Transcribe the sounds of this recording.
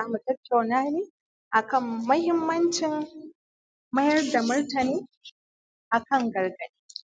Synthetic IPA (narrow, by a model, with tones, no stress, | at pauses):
aː˦mu˨tɐ˦tːa˨wnaː˦neː˦ | ʔa˨kɐ˦˨mːɐ˦hɪ˦mːɐ˦nt͡ʃɪ˨m | mɐ˦jɐ˦rda˨mʊ˦rtɐ˨neː˦ | ʔa˨kɐ˦˨ŋɡɐ˨rɡɐ˨ɗeː˦